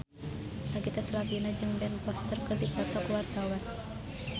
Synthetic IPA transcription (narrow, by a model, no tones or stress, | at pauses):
laɡit̪asəlapinad͡ʒɨŋbɛnpɔst̪ərkərd̪ipat̪ɔkward̪awan